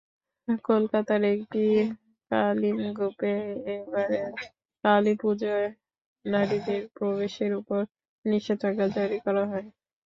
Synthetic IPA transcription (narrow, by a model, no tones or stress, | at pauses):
kolkat̪aɾekʈi | kalinɡupeebaɾe | kalipud͡ʑoe | naɽid̪eɾpɾobeʃeɾupoɾ | niʃet̪ʰakad͡ʑaɾikɔɾaɦɔe